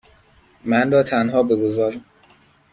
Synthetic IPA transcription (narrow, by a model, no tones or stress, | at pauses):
mænrɒːt̪ʰænɦɒːbeɡozɒːɾi